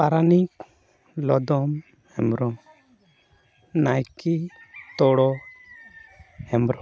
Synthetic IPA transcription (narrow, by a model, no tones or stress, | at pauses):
paɾanik | lɔd̪ɔm | hɛmɾɔ | najkit̪ɔɽɔ | hɛmɾɔ